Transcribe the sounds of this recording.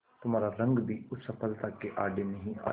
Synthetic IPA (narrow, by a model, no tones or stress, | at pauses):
t̪ʊmaːɾaɾɐ̃ŋɡbʱiːʊsɐpʰəlt̪akeʔaːɖenɐɦĩa̰ː